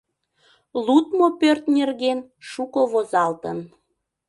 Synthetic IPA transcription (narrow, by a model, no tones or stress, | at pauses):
lut̪mopørt̪nerɣenʃukoβozɑlt̪ən